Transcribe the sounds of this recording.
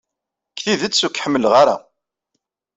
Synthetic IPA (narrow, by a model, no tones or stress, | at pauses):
kːθiðət͡sːsukːħəmːəlʁaɾa̰